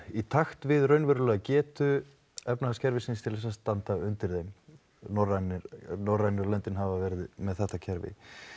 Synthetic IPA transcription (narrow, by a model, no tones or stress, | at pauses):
it̪ʰaxt̪vɪðrœɥnvɛɾʏlɛːɣcɛːt̪ʏ | ɛpnaascʰɛɾvɪsɪnst̪ʰɪlθɛsast̪ant̪aʏnt̪ɪɾejm | nɔranɪɾnɔrːajnɪɾɔlœnt̪ɪnɦavavɛɾɪðmɛðθɛht̪acʰɛɾvɪ̰